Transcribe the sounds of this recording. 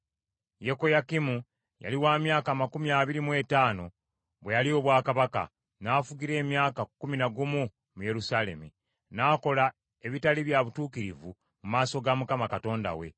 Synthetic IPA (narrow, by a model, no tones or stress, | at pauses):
je̞ko̞jakimu | ja̰liwaːmjaːkaːmakumiaːβiɾimwe̞taːno̞ | βwe̞jalio̞βwaːkaβaka̰ | naːfuɡiɾe̞ːmjaːkakːuminaɡumu | muje̞ɾusaːle̞̰mu | naːko̞la | e̞βitaliβjaβutuːkiɾivu | mumaːso̞ɡamukamakato̞ːnda̰we̞̰